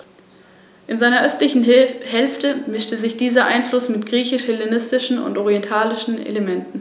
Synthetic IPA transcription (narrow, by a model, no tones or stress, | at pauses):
ʔɪnzaɪnɐʔœstlɪçn̩hɛlftəmɪʃtəzɪçd̥iːzɐʔaɪnflʊsmɪtɡ̥ʁiːçɪʃhɛlenɪstɪʃn̩ʊ̰ntʔɔʁiɛntʰaːlɪʃn̩ḛlemɛntn̩